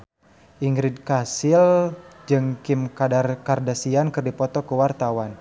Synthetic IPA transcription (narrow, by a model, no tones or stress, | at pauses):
ʔiŋɡɾid̚kasɪld͡ʒɨŋkimkadarkardasiankɨrdipɔt̪ɔkəwart̪awan